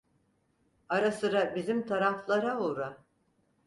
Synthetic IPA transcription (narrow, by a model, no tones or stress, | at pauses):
aɾasɯɾabizimt̪ʰaɾaflˠaɾaoɾa